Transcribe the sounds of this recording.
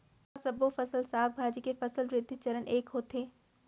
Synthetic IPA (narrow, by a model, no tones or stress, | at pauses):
aːsɐbofɐsəlsaːbbʱaːd͡ʒikefɐsəlʋɾɪd̪ʱːt͡ʃɐɾənʔeːkɦoːt̪eː